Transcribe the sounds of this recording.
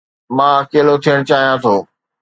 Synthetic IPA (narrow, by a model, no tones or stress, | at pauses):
mãːɐkeːlot̪ʰijəɽ̃t͡ɕaːɦijãt̪ʰoː